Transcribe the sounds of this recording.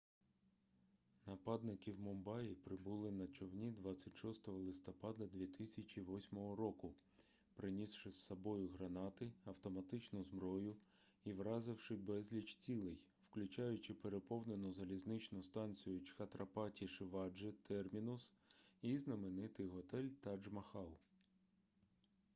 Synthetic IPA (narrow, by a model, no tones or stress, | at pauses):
nɐpɑd̪nɪkiwmɔmbɑjipɾɪbʊlˠɪnɐt͡ʃɔwnʲid̪ʋɑt͡sʲːɐtʲʃɔst̪ɔɦɔlˠɪst̪ɔpɑd̪ɐd̪ʲʋʲit̪ɪsʲɐt͡ʃiʋɔsʲmɔɦɔɾɔkʊ | pɾɪnʲisʃɪssːɔbɔjʊɦɾɐnɑt̪ɪɐwt̪ɔmɐt̪ɪt͡ʃnʊzmbɾɔjʊ | iʋɾɑzɪwʃɪbɛzʲlʲit͡ʃt͡sʲilˠɪj | wklʲʊt͡ʃɑjʊt͡ʃɪpeɾepɔwnenɔzɐlʲiznɪt͡ʃnʊst̪ɑnʲt͡sʲijʊt͡ʃxɐt̪ɾɐpɑtʲiʃɪʋɑd͡ʒɪt̪ʰɛrmʲinʊs | iznɐmenɪt̪ɪjɦɔt̪ɛlʲt̪ɐd͡ʒmɐxɑlˠ